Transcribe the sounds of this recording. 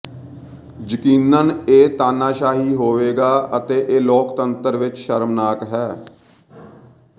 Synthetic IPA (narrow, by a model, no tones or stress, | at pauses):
d͡ʒəkiːnəneːt̪aːnaːʃaːɦiːɦoːʋeːɡaːət̪eːʔeːlɔːkt̪ənt̪əɾʋɪt͡ʃʃəɾmnaːkɦɛː